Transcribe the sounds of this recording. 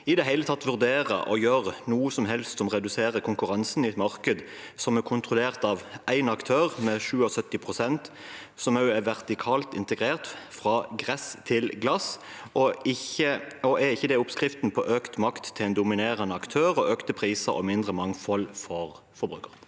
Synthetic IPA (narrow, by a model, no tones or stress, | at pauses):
ɪd̪ɛɦæɪlət̪ʰɑt̪ːʋʉʁd̪eːʁə̰ʔɔ̰jøːʁnuːəsɔmɦɛlst̪sɔmʁɛd̪ʉseːʁəkʰʊŋkʉʁɑnsn̩ɪɛt̪mɑʁkəd̪sɔmɛkʰʊnt̪ʁʊleːʁt̪ɑːʋʔæɪnɑkt̪ʰøːʁmɛʃʉːɔsœt̪ːɪpʰʁʊsɛnt̪sɔmɑʉæʋɛʁt̪ɪkʰɑːlt̪ɪ̰nt̪əɡʁeːʁt̪fʁɑɡʁɛst̪ʰɪlɡlɑs | ʔɔɪəɔʔæʁɪçːəd̪ɛʊpskʁɪft̪n̩pʰɔʔøːkt̪mɑkt̪ʰːɪlæɪnd̪ʊmɪneːʁənəɑkt̪ʰøːʁɔʔøːkt̪əpʰʁiːsəɾɔ̰mɪnd̪ʁəmɑŋfɔlfɔʁ | fɔɾbʁʉːkəʁ